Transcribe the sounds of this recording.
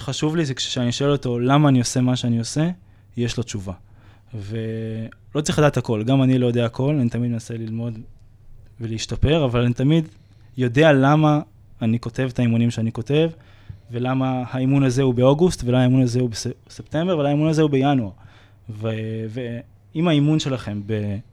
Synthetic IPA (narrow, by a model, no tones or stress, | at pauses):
χaʃuvliʃekʃe̥ʃeaniʃoe̞loto̞lamaːnio̞se̞maʃeanio̞se̞ | jeʃlo̞t͡ʃuva | velot͡saʁiladaːtako̞lɡamanilo̞jodeaːkʰo̞lanit̪amid̪menase̞lilmo̞d̪ | veleiʃtape̞ʁavalanit̪amid̪ | jo̞d̪e̞alamaː | niko̞te̞vet̪aimunimʃeaniko̞te̞v | ve̞lamahaimunaze̞hubeo̞ɡust̪veaimunazehubesept̪e̞mbe̞velaimunazehube̞januaʁ | veve | imaimunʃe̞laχe̞mbe